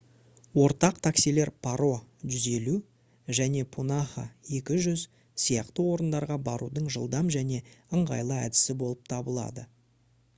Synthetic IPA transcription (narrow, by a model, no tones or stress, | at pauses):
wo̞ɾt̪ɑq̚t̪ʰaksile̞ɾpʰaɾo̞ʒʏze̞lu | ʒæne̞pʰonaχa̰e̞kʲɪʒʏz | sijɑqt̪əwo̞ɾənd̪ɑɾʁɑbɑɾud̪əɴʒəlˠd̪ɑmʒæne̞əɴʁɑ̰jlˠəæ̰d̪ɪ̥sɪbo̞lˠəp̚t̪ʰɑbəlˠɑ̰d̪ə